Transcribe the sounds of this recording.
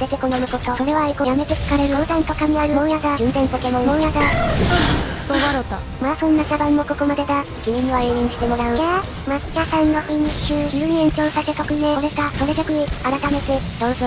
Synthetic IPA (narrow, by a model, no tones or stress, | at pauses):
d̪et̪ʲeko̞nomɯ̟kot̪oso̞ɾe̞βaikojame̞t̪ekḁkaɾe̞ɾɯ̟od̪ãnt̪okamʲiaɾɯ̟mõɰ̃jaɡad͡ʑɯ̃nd̪ẽ̞nt̪okemomõjaɡa | soaɾot̪a | masõ̞nːakabãmːo̞ko̞ko̞mad̪e̞d̪a | kʲiɲ̟ĩɲːiβaeːɲĩɲ̟ɕi̥t̪e̞mo̞ɾaɯe | mai̥tasãŋːokiɲ̟iɕɯçiɾɯɲiẽŋkʲo̞ːsase̞k̪okɯ̟meɾe̞k̪asoɾet̪ekɯ̟ɲiaɾat̪ame̞t̪ed̪õnso